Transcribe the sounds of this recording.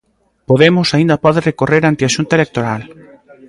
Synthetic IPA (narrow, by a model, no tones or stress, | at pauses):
poðemʊsaĩnd̪ɐpɔðerekoreɾant̪ɪaʃunt̪aelek̚t̪oɾal